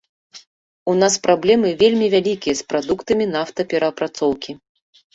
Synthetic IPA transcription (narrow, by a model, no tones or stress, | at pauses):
unaspɾablʲɛmɨvʲelʲmʲivʲalʲikʲijɐspɾad̪ukt̪ɐmʲinaft̪ɐpʲɛɾɐpɾat̪sɔwkʲi